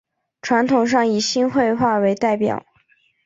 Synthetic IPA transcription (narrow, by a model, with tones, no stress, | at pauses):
ʈ͡ʂʰwa˧˥nt̪ʰʊ˨˩ŋʂ̬ɑ˥˩ŋi˨˩ɕi˥nxwe˥˧ɪxwa˥˩we˧˥ɪt̪a˥˩ɪpjɑ̰˨˩˦ʊ